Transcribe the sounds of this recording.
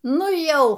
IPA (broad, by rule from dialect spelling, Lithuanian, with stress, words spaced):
ˈnʊ ˈjɛʊ